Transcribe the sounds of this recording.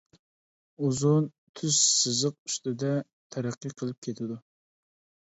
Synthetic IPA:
uzun | t̪ʰyzsɨzəq̚y̥st̪ɪd̪ɛ | t̪ʰɛɾæqːijqʰəlˠɪp̚kʲʰet̪ʰɪd̪u

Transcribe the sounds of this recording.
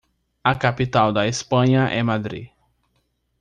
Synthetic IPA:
ɐkapit̪awd̪ɐespɐ̃ɲɐʔɛmad̪ɾḭ

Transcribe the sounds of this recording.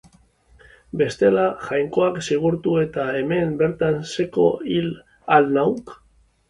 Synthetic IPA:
be̞st̪e̞laʝajŋko̞aksiɣ̞uɾt̪ue̞t̪ae̞me̞mbe̞ɾt̪anse̞ko̞̰il | alnawk

